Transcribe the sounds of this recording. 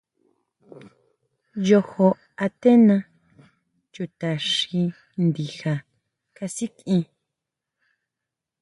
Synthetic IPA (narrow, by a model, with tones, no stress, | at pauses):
jo˧ho˧ | a˧t̪e˦nã˧ | t͡ʃu˨t̪a˨ʂi˧ | nd̪i˨xa˨ | ka˧si˦ki˧